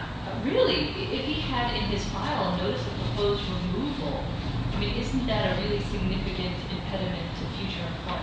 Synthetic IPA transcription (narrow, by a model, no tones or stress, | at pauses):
ɹɪlˠi | ɪfhiɨɾɪ̃nɪz̥faɪl̩ˠnoʊɾɨsɨpʰəpʰoʊzd̚ɹɪmuvl̩ˠ | aɪmĩnɪzn̩ðɨɾɨɹɪlˠisɨɡ̚nɪfɨkɨ̃ntɨ̰̃mpʰɛɾɨmɨ̃ntʰɨfjʉt͡ʃə˞ɨ̃nfɔ